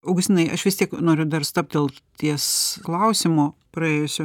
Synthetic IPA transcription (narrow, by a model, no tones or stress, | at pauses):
ɐʊɡʊsʲt̪ʲɪnɐɪʔɐʃʋʲɪst̪ʲiɛknoːɾʲʊd̪ɐrst̪ɐp̚t̪̚d̪ʲeːlˠt̪ʲiɛsklˠɐʊsʲɪmoːpɾɐeːjʊsʲʊ